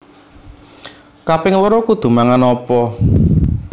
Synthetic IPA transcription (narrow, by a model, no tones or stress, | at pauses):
kapɪŋləɾɔkud̪̥ṳmaŋanɔpɔ